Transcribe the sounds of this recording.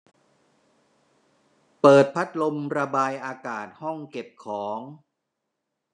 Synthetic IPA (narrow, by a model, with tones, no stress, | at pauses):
pɤː˨˩t̪̚pʰa˦˥t̪̚lo˧mɾa˧baː˧jʔaː˧kaː˨˩t̪̚hɔ˥˩ŋke˨˩p̚kʰɔː˩˦ŋ